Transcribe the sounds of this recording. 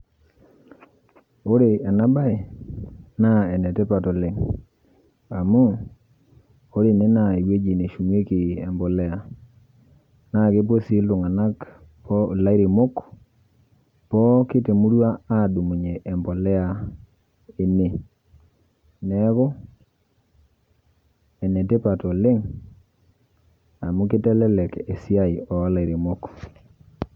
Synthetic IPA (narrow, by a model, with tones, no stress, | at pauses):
o˦ɾe˨a˨na˦ba˦ɪ˨ | na˦ɛ˨nɛ˨tɛ˦pa˨tɔ˨lɪ˨ŋ | a˨mu˦ | o˦ɾe˨ne˦na˨e˨we˦d͡ʒi˨ne˨ʃu˨me˦kɪ˨ɛ˨mbɔ˨lɛ˦a˨ | na˦˨ke˦p̬o˦si˦lʊ˨ŋa˨na˦k | pɔ˦o˨la˦i˦ɾe˨mo˦k | pɔ˦kɪ˦te˨mu˦ɾwa˦a˦˨du˨mu˨ɲe˨ʔːmbɔ˨lɛ˦a˨ | e˨ne˨ | nɛ˨˦kɔ˦ | ɛ˨ne˨te˦pa˨tɔ˨lɪ˦ŋ | a˨mu˦kɪ˦tɛ˦lɛ˦lɛ˨ke˨si˦a˦jɔ˨˦la˨i˨ɾe˨mʊ˦k